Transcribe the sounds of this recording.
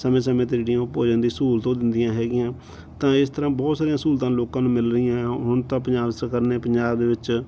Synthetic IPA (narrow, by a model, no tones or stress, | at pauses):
səmẽːs̬əmẽːt̪ːɽijãːpoːd͡ʒə̃nd̪iːsuːlt̪õːd̪ɪnd̪ɪjãːɦɛːɡɪjãː | t̪ãːɪst̪əɾãːbɔːt̪saːɾijãːsuːlt̪ãːloːkãːnũːmɪlɾəiãːɦʊɳt̪ãːp̬əɲd͡ʒaːbsəkəɾneːpəɲd͡ʒaːbd̪eːʋɪt͡ʃ